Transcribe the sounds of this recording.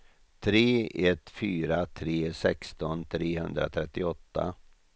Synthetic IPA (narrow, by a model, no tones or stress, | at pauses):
t̪ʰɾeːɛt̪ːfyːɾat̪ʰɾeːsɛkst̪ɔnt̪ʰɾeːhɵnd̪ɾa̰t̪ʰɾɛt̪ːɪɔt̪ːa̰